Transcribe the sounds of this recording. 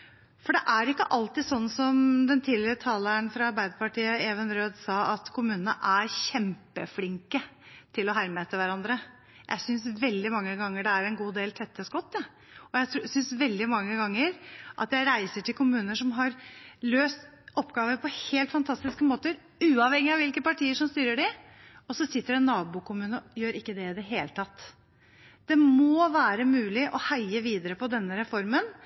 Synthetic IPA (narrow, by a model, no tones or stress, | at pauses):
fɔɖɛʔæɾɪkːə̰ʔɑlt̪ɪsɔnːsɔmd̪ɛnt̪ʰiːlɪɾət̪ʰɑːləɳfɾɑɑɾbæɪd̪əpɑʈiːəɛːʋənɾøːd̪sɑːɑt̪kʰʊmʉːnənəʔæɾçɛmpəflɪŋkət̪ʰɪlɔɦæɾmeːt̪əʋæɾɑnd̪ɾə | jʔæ̰ɪsʏnsʋɛld̪ɪmɑŋːəɡɑŋːəɖɛæɾɛnɡuːd̪eːlt̪ʰɛt̪ːəskɔt̪ːɑ | ɔjæɪt̪sʏnsʋɛld̪ɪmɑŋːəɡɑŋːəɾʔɑ̰t̪jæɪɾæɪsəʈʰɪlkʰʊmʉːnəʂɔmɦɑɾløːst̪ | ɔpːɡɑːʋəpʰɔheːlt̪fɑnt̪ʰɑst̪ɪskəmoːt̪əɾ | ʉːɑʋhɛŋːɪɑʋɪlkəpɑʈʰiːəʂɔmst̪yːɾəɖɪ | ɔsɔsɪt̪ːəɾɛnːɑːbʊːkʰʊmʉːnəjøːɾɪkːəd̪ɛɪd̪əɦeːlət̪ʰɑt̪ː | d̪̥ɛmɔːʋæːɾəmʉːlɪʔɔhæɪəʋiːd̪əɾəpʰɔd̪ɛnːəɾɛfɔɾmən